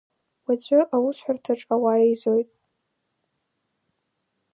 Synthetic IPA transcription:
wad͡ʑʷʼʊʔawʊsħʷartʰaʈ͡ʂʼawajejzojtʼ

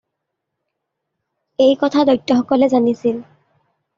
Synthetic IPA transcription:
ejkɔtʰadɔjtːɔxɔkɔlɛzanisil

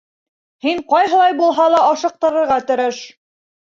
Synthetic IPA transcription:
hiɴqɑjɦɤ̆lˠɑjbulˠɦɑlˠɑɑʃɤ̆q̚t̪ɤ̆ɾɤ̆ɾʁɑt̪ɵ̆ɾɘʃ

